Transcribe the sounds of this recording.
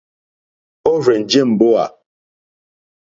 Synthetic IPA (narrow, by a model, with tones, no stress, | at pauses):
o˦ɾɛ˨n̩˨d͡ʒe˦˨m̩˨bo˦a˨